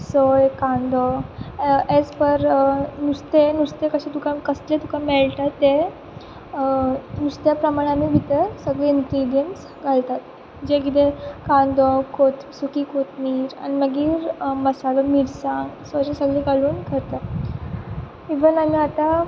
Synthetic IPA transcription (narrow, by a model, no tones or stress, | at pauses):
sojkãnd̪ɔ | ed͡zpəɾnust̪enust̪ekəɕẽt̪ukʰãkəslet̪ukʰãmɛɭʈ̪at̪ːe | nust̪japɾəmaɽ̃amibʱit̪əɾsəɡɭeint̪ɾiɽijəns | ɡʱalt̪at̪ | d͡ʑekit̪ekãnd̪ɔkot̪sukiːkot̪miːɾa̰ñiməɡiːɾməsalamiɽsãŋɡsɔəɕesəɡɭeɡaluːnkəɾt̪a | iʋənamiat̪a